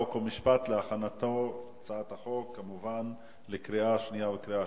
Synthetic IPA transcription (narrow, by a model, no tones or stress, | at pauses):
okolmiʃpat̪leaχanat̪o̞ | t͡saat̪aχo̞kːamuvan | lekʁiaʃnijavekɾia